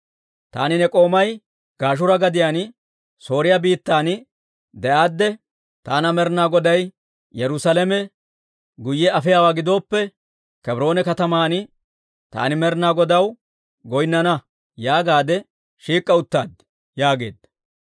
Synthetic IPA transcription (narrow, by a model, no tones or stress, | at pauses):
t̪a̰ːnɪnɛkʼo̞ːmɐj | ɡ̥aːʃ̬ʊɾɐɡɐd̪ɪjaːn | so̞ːɾɪjɐbiːt̪ːaːn | d̪ɛʔaːd̪ːɛ | t̪aːnɐmɛɾnaːɡɔd̪ɐj | jɛɾʊsɐlɛmɛ | ɡʊjːɛɐfɪjaːwaːɡɪd̪o̞ːpːɛ | kɛbɾo̞ːnɛkɐt̪ɐmaːn | t̪a̰ːnɪmɛɾnaːɡɔd̪ɐw | ɡɔjnːɐnɐ | jaːɡaːd̪ɛ | ʃiːkʼːɐʊt̪ːa̰ːd̪ | jaːɡe̞ːd̪ːɐ